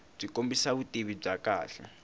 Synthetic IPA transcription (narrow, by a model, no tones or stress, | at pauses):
b͡ʐikʼombisaβutʼiβib͡ʐakaːɬɛ̰